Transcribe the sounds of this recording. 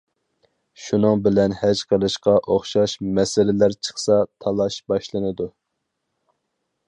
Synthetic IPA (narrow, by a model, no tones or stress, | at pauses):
ʃunɨŋbɪlɛnhɛd͡ʒqʰəlˠɨʃqɑʔoχʃɑʃmɛsɪlɪlæɾt͡ʃʰə̥χsɑt̪ʰɑlˠɑʃbɑʃlˠɨnɨd̪u